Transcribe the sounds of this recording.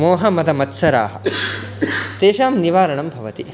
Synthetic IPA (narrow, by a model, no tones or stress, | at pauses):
moːɦɐmɐd̪ɐmɐt̪sɐɾa̰ːɦɐ̰̆ | t̪eːʃaːmniʋaːɾɐɳɐmbʱɐʋɐt̪i